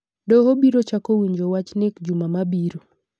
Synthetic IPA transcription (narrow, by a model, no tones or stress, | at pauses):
dɔɦobiɾot͡ʃakowiɲd͡ʒowat͡ʃnɪkd͡ʒumamabiɾo